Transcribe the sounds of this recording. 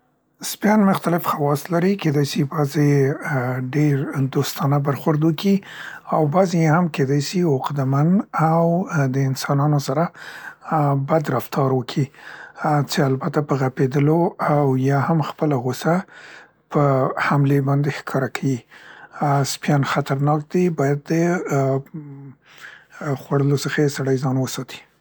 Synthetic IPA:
spjɑnmʊxt̪alɪfxawɑslaɾiked̪ajsibɑze | ɖeɾd̪ost̪ɑnabaɾxʊɾd̪wəkʰi | awbɑzejehamked̪ajsiʊqd̪amanawd̪əɪnsɑnɑnosaɾa | bad̪ɾaft̪ʰɑɾwəkʰi | t͡ʃealbat̪apəɣaped̪əloawjɑhamxpəlaɣosa | pʰəhamlebɑnd̪exkʰɑɾakʰawi | spjɑnxat̪aɾnɑk̚d̪ibɑjad̪ːə | xwaɽəlosəxajesaɽajzɑnwəsɑt̪ʰi̥

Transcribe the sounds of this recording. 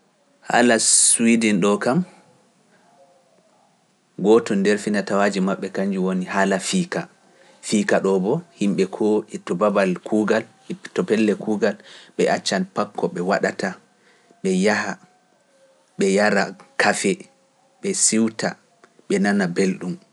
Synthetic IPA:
ha̰lasuwidinɗɔkam | ɡɔtɔndeɾfinatawad͡ʒimaɓːɛkaɲd͡ʒiwonihalafiːka | fiːkaɗɔbɔhimɓɛkʰɔɛtɔbabalkʰuːɡal | tɔpɛlːɛkuːɡalɓɛʔat͡ʃːanpakʰːɔɓɛwaɗata | ɓɛjaha | ɓɛjaɾakafɛ | ɓɛsiwta̰ | ɓɛnanabelɗum

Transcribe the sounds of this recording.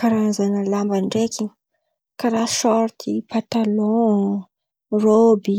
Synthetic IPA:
kaɾazanəlambaɳɖ͡ʐekiɲ | kaɾaʃɔɾt̪ʰipat̪alɔ̃ | robi

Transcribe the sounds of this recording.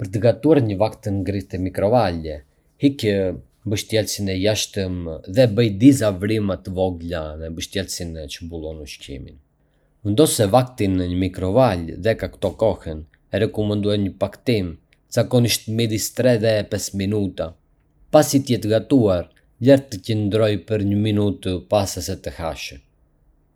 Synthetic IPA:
pəɾt̪əɡat̪uaɾɲəvakt̪əŋɡɾift̪ɛmikɾɔvalɛ | hicə | bəʃt̪jɛlsinɛjaʃt̪əmðɛbəjd̪izavɾimat̪əvɔɡlanəbəʃt̪jɛlsinɛt͡ʃəbulˠɔnuʃcḭmḭn | vənd̪ɔsɛvak̚t̪inəɲəmikɾɔvalðɛkakt̪ɔkɔhɛn | ɛɾɛkɔmand̪uaɲəpakt̪im | z̥akɔniʃt̪əmid̪ist̪ɾɛðɛpɛsminut̪a | pasit̪jɛt̪əɡat̪uaɾ | lɛɾt̪ːəcənd̪ɾɔjpəɾɲəminut̪əpasɛsɛt̪əhaʃə

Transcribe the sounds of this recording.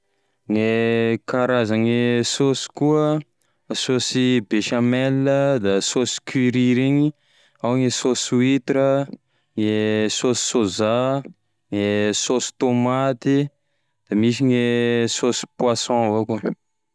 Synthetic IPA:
ŋekaɾazaŋesosi̥kuə | sosibeʃamɛlːəd̪asosi̥kiɾiɾiɲi | awŋesosuit̪ɾə | ŋesosi̥soza | ŋesosi̥t̪omat̪i | d̪̥amis̬iŋesosi̥pwasɔ̃vokuə

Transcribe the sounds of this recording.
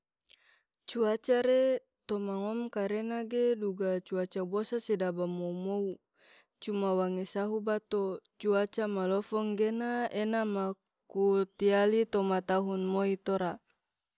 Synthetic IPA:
t͡ʃuat͡ʃaɾe | t̪omaŋɔmkaɾenaɡeduɡat͡ʃuat͡ʃabosasedabamoumou | t͡ʃumawaŋesaɦubat̪ot͡ʃuat͡ʃamalɔfɔŋɡenaenama | kkut̪ialit̪ɔmat̪aɦunmoit̪oɾa

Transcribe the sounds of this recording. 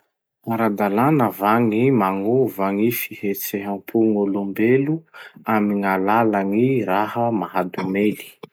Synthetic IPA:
aɾad̪alanavaŋimaŋuvaŋifihet͡seɦampʰuŋolumbeluamiŋalalaŋirahəmaɦad̪umeli̥

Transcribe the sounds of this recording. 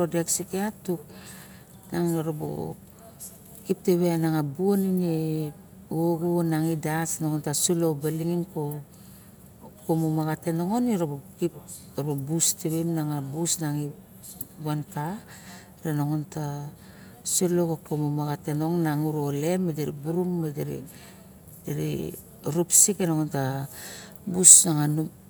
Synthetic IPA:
pɾodeksikeatuk̚ | naŋnoɾabo̰ | kip̚teβeanaŋabuonine | oɡunaŋidasnoŋontasulo̞baliŋinko̞ | komumaɡate̞no̞ŋo̞niɾabokip | aɾobusteβemnaŋabusnaŋi | buanka | ɾano̞ŋonta | sulokokomumaɡatenonaŋuɾole̞mːedeɾibuɾumːedeɾḭ | deɾḭ | ɾupsikenoŋonta | busnaŋanu

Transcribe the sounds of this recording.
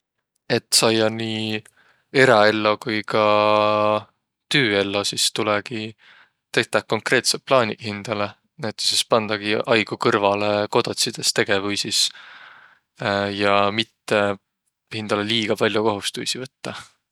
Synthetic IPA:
e̞t̪ːˑsɑjɑniː | e̞ɾɑe̞lːo̞kujkɑ | t̪yːe̞lːosist̪ulɛɡi | t̪e̞ht̪ɑkːo̞ŋkre̞ːt̪seplɑːnʲiʔhind̪̥ɑle̞ | nejt̪ːˑe̥sispɑnd̪̥ɑɡ̥iʔɑjɡ̥ukɤrvɑleko̞d̪̥ot̪sid̪̥e̞st̪e̞ɡ̥e̞vujsis | jɑmit̪ːe | hind̪̥ɑleliːɡ̥ɑpɑlʲjuko̞ɦust̪ujsivɤt̪ːɑ

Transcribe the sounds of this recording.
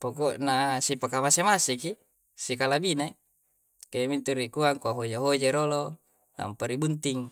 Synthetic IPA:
pokoʔnasipakamasemasiki | sikalabinai | kemint̪uɾikuaŋkuaɦod͡ʒaɦod͡ʒaɾolo | na̰mpaɾibunt̪iŋ

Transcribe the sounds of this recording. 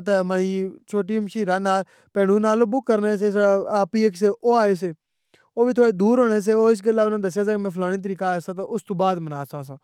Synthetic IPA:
t̪amaiːt͡ʃʰoːʈiːmʃiːɾãːnaːl | pɛ̃ːnũːnaːloːbʊkːəɾneːs̬eːsaaːpiːekseːʔoːaːeːs̬eː | oːbiːt̪ʰoːɽeːd̪uːɾɦoːneːs̬eːoːɪs̬kelaːnãːd̪əs̬jaːsãːkmɛ̃ːpʰlaːniːt̪̬əɾiːkaːsãːt̪aʔʊst̪õːbaːd̪mənaːsãːsãː

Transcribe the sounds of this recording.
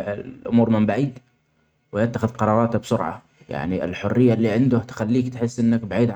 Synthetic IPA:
ɪʔʊ̰muːɾmɪmbaʕiːd̪ | wjɪt̪ːaxɪðqɑɾˤɑːɾˤɑːt̪bsʊɾʕa̰ | ja̰ʕniɪ̰lħʊrːɪjːalːiːʕɪnd̪ʊht̪ɪ̥xalːiːkt̪ħɪsːʔɪnːakbʕiːd̪ʕ

